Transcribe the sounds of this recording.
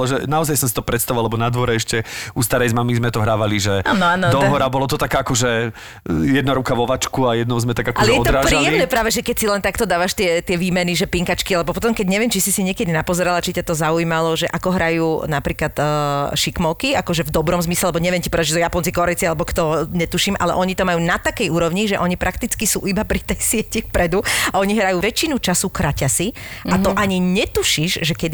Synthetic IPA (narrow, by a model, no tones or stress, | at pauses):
ɔʒɛnaɔzajsɔmsit̪ɔpɾɛt̪st̪aʋualɛbɔnad̪ʋɔɾɛɛʃcɛust̪aɾɛjzmamizmɛt̪ɔɦɾaːʋaliʒɛaːnɔand̪ɔɦɔɾabɔlɔt̪ɔt̪akaakɔʒɛ | jɛd̪naɾukaʋɔʋat͡ʃkuajɛd̪nɔʊzmɛt̪aɡakɔalɛjɛɔt̪ɔɾapɾialːɛmnɛpɾaːʋɛʒɛkɛcsilɛnt̪akt̪ɔd̪aːʋaʃt̪ɪɛt̪ɪɛʋiːmɛniʒɛpiŋkat͡ʃkialɛbɔpɔt̪ɔmkɛɟɲɛʋjɛmt͡ʃisisiɲɪɛkɛd̪inapɔzɛɾalat͡ʃicat̪ɔzauiːmalɔʒɛʔakɔɦɾajuːnapɾiːklat̪ːʃikmɔʊkiakɔʒɛvd̪ɔbɾɔmzmislɛlɛbɔɲɛʋɪɛmcipɔɾd̪aʒɛsɔjapɔnt͡sikɔɾɛt͡sialɛbɔkt̪ɔɲɛt̪uʃimʔa̰lɛ̰ʔɔɲit̪ɔmajuːnat̪akɛjuːɾɔʋɲiʒɛʔɔɲipɾʔakt̪it͡skisṵːʔibapɾit̪ɛjsɪɛcifpɾɛd̪uaɔɲiɦɾajuːʋɛt͡ʃinut͡ʃasukɾacasi | at̪ɔʔaɲiɲɛt̪uʃiʒʒɛkɛd̪i